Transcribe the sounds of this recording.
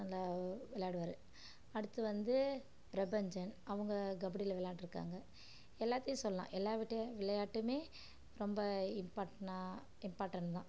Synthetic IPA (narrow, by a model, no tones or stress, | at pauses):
ɐlːaːʋɪɭjaːɽɯʋɐɾɯ | ɐɽɯt̪ːɯʋɐnd̪ɯ | pɾɐbɐɲd͡ʒɐnɐʋɯŋɡɐɡɐbɐɽɪlʋɪɭjaːʈːɪɾɯkːa̰ːŋɡɐ | ɛlːaːt̪ːɪjʊ̃sɔlːɐlã̰ːʔɛlːaːʋɪʈːɐʋɪɭɐjaːʈːɯmeː | ɾɔmbɐɪmpaːʈna | ɪmpaːɾʈːɐɳt̪ãː